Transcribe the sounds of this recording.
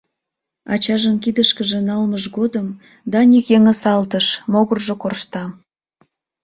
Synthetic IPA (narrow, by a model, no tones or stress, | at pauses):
ɑ̰t͡ɕɑʒənkid̪əʃkəʒĕnɑlməʒɣod̪əm | d̪ɑnʲikeŋəsɑlt̪əʃmoɣərʒokorʃt̪ɑ